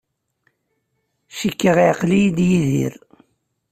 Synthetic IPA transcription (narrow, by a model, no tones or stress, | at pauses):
ʃikːəʁiʕqlijid̪jiðḭɾ